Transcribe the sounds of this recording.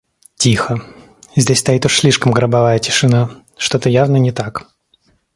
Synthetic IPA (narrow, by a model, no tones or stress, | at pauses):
tʲixə | zʲdʲesʲst̪ɐjit̪ʊʂsʲlʲiʂkəmɡɾəbavajətʲɪ̥ʂɨna | ʂt̪ot̪əjavnənʲɪt̪ak